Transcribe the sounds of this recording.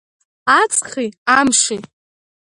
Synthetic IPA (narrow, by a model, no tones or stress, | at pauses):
at͡sʼχiamʂi